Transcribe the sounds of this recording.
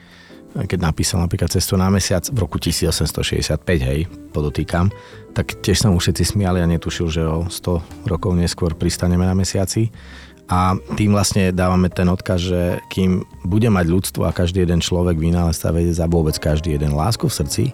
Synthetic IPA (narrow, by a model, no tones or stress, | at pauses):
kɛɟnapiːsalnapɾiklat̪t͡sɛst̪unamɛsɪat͡svɾɔkucisiːd͡zɔsɛmst̪ɔ̰ʃɛ̰ɟɛ̰sɪat̪̚pɛɟɦɛjpɔd̪ɔt̪iːkam | t̪akcɪɛʃsɔmufʃɛt̪t͡sismɪaliaɲɛt̪uʃilʒɛɔst̪ɔɾɔkɔʊɲɛskʊɔɾpɾist̪aɲɛmɛnamɛsɪat͡si | ʔat̪iːmvlasɲɛd̪aːʋamɛt̪ɛnɔt̪kazʒɛkʰiːmbuɟɛmaɟʎut͡st̪ʋɔ̰akaʒd̪iːɛd̪ɛnt͡ʃlɔʋɛɡʋinaːlɛst̪a̰ʋɛɟɛzaʋʊɔbɛt͡skaʒd̪iːjɛd̪ɛnla̰ːskufsr̩t͡sḭ